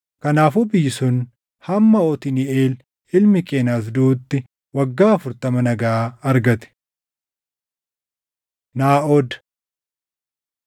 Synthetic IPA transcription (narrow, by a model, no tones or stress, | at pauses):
kɐnaːfuːbɪjːɪsʊn | hɐmːɐɔt̪ɪnɪeːl | ɪlmɪkʼeːnaːs̬d̪uːt̪ːɪ | wɐɡːaːɐfʊɾt̪ɐmɐnɐɡaɐɾɡɐt̪ɛ̥ | naːʔɔd̪